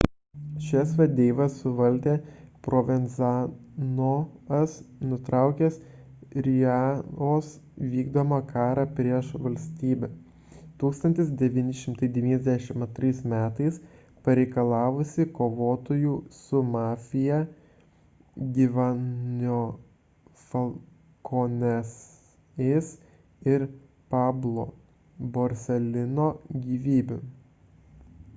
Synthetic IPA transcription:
ʃʲɛsʋʲɛd̪ʲeːʋɐsʊʋɐlʲd̪ʲeːpɾʔoʋʲɛnzɑ | noɐsnʊt̪ɾɑˑʊkʲeːs | ɾʲjɑoːsʋʲiːɡd̪oːmɐkʰɑːɾɑpʲɾʲiɛʃʋɐlʲsʲt̪ʲiːbʲɛ | t̪uːkst̪ɐnʲt̪ʲɪs̬d̪ʲɛʋʲiːnʲɪʃʲɪmt̪ɐɪd̪ʲɛʋʲiːnʲɛzʲd̪ʲæʃʲɪmɐt̪ɾɐɪsmʲæːt̪ɐɪs | pɐɾʲɛɪkɐlˠɑːʋʊsʲɪkoːʋoːt̪ojuːsʊmɑːfʲɪjɛ | ɡʲiːʋɑnʲoː | fɐlˠ | konʲɛs | es | ɪɾ | pɑːblˠoː | boːɾʲsʲɛlʲɪnoːɡʲiːʋʲiːbʲʊ

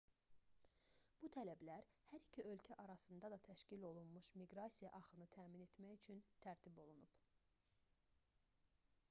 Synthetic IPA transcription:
b̥ut̪ʰælæblæɾhæɾicʰiʔø̞lcʰæʔɑɾɑsɯnd̪ɑd̪ɑt̪ʰæʃcilo̞lˠunmuʃmiɡɾɑsijɑ̰ʔɑχɯnɯt̪ʰæːmine̞t̪mæjyt͡ʃʰynt̪ʰæɾt̪ʰibo̞lˠunub̥

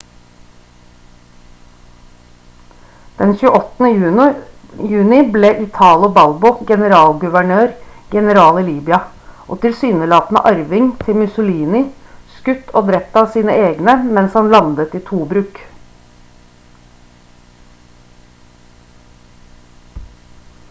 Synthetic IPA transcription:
d̪̥ɛnçʉːəʔɔt̪nə | jʉːnɪbleːʔɪt̪ʰɑːlobɑlbɔɡɛnəɾɑːlɡʉʋæɳøːɾɡɛnəɾɑːliːliːbʏɑ | ʔo̰ːt̪ɪlsyːnəlɑːt̪nə̰ʔɑɾʋɪŋt̪ʰɪlmʉsʊliːnɪskʉt̪ːʰoːd̪ɾɛp̚t̪ːɑːʋsiːnəeːɡnəmɛnshɑnlɑnd̪ət̪iːt̪ʰuːbɾʉːk

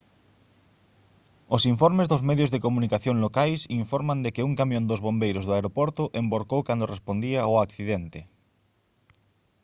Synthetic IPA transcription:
osiɱfoɾmezðozmeðjozðekomũnikaθjoŋlokajsiɱfoɾmand̪ekeuŋkamjõnd̪ozβ̞ombejɾozðoaeɾopoɾt̪oʔemboɾkowkand̪orespond̪iaoakθiðent̪e

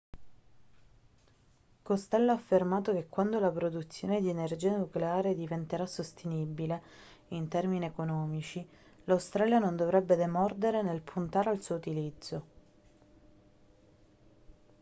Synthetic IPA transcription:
kost̪ɛlːoafːermaːt̪okekːwand̪olapɾod̪ut̪sːjoːned̪ienerd͡ʒiːanukleaːɾed̪ivent̪eɾasːost̪ʰenibile | int̪ɛrminiekonɔːmit͡ʃi | lawst̪ɾaːljanond̪ovɾɛbːed̪emɔrd̪eɾenelpʰunt̪aːɾealsuːout̪ilid̪zːo

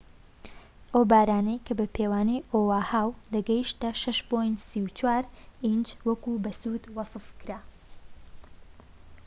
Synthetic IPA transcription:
ʔɐwbaːɾaːnɐjkʰɐbɐpʰeːwaːnejʔoːwaːhaːwlɐɡɐjiʃt̪ɐʃɐʃpojnt̪siwt͡ʃwaːɾind͡ʒwɐkubɐsuːd̪wɑsɨfkɨɾaː

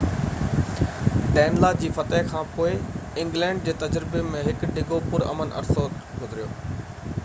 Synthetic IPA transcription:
ʈɛːnlaːd͡ʑiːfɐt̪əɦkʰãːpoːɪɪ̃ŋɡlɛ̃ːɳɖ̚d͡ʑeːt̪ɐd͡ʑɾɪbemẽɦɪkɖɪɡopʊɾɐ̰mənʔɐ̰ɾsoːt̪ɡʊzɪɾijoː

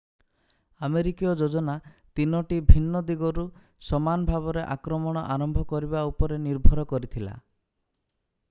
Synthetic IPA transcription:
ameɾikijɔd͡ʒod͡ʒɔnat̪inɔʈibʱinːɔd̪iɡɔɾu | sɔmanɔbʱaβɔɾeʔakɾɔmɔɽ̃ɔʔaɾɔmbʱɔkɔɾibaupɔɾeniɾbʱɔɾɔkɔɾit̪ʰila̰

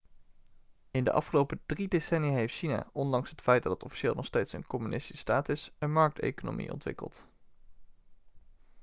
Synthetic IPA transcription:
ɪndə̰ʔɑ̰fχəlowpəd̥ridesɛnijaɦejftʃina̰ːɔndɑŋsɦətfɛjd̚dɑtətɔfi̥ʃɪːlˠnɔχstejtsə̰nkɔmynʔɪsti̥sstaːtɪsənmɑɹk̚tḛjkono̰mḭʔɔ̰ntʋɪ̰kə̰lˠt

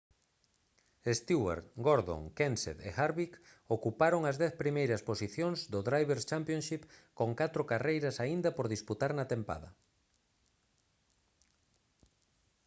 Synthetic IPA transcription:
est̪iwa̰ɾɡoɾðo̰ŋkensḛðḛxaɾβik | okupaɾoŋɐzðɛθpɾimejɾɐsposiθjoŋzd̪oðɾajβeɾst͡ʃampjõnʃipkoŋkat̪ɾʊkarejɾɐsaind̪ɐpoɾðisput̪aɾnɐt̪empa̰ðɐ̰

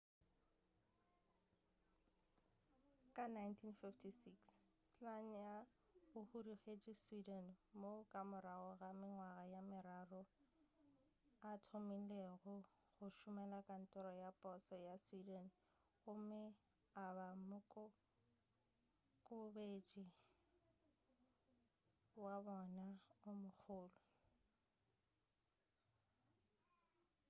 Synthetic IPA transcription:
kʼanajntʰinfiftʰisiksslaŋ̩ja | ʊhuriɣed͡ʒiswidɛnmokʼamʊɾaɔɣamɪŋwaɣajamɪɾarʊ | atʰomileɣʊ | ɣʊʃʊmɛlakʼan̩tʼɔɾɔjapʼɔsɔjaswidan | ɣʊmɪ | abamʊkʼʊ | kʼʊbet͡ʃʼi | wabɔnaʊmʊk͡xʰʊːlʊ

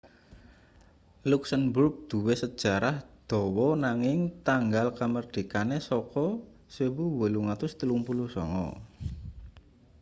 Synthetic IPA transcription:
luksənbɾup̚d̪̥ṳwesəd̥ʒ̥a̤ɾahd̪̥ɔ̤wɔnaŋɪŋt̪aŋɡalkamərɖ̪̥i̤kanesɔkɔ | swewuwəluŋat̪ʊst̪əluŋpulusɔ̰ŋɔ̰

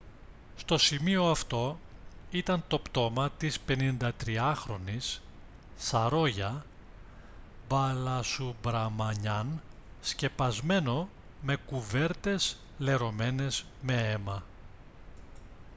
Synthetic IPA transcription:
st̪o̞simio̞ɐft̪o̞it̪ɐnt̪o̞pt̪o̞mɐt̪ispe̞nind̪ɐt̪ɾiɐxɾo̞nisː | ɐɾo̞ʝɐ | bɐlɐsubɾɐmɐɲɐnsce̞pɐzme̞no̞ | me̞kuve̞ɾt̪e̞s | le̞ɾo̞me̞ne̞zme̞e̞mɐ

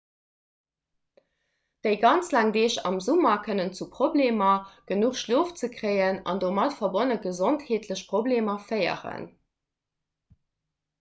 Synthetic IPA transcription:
d̥əɪɡɑnt͡slæːŋdeːɕɑ̰mzumɐkʰənənt͡supʁobleːmɐɡ̥ənuχʃloːft͡səkʀɜɪənɑ̰ndoːmɑtfɐbonəɡəzontheːtʰləɕpʁ̥obleːmɐfɜɪə̰ʁə̰n

